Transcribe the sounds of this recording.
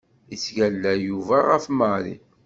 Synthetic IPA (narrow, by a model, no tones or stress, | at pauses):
isʝælːæjuvæʁəfməɾḭ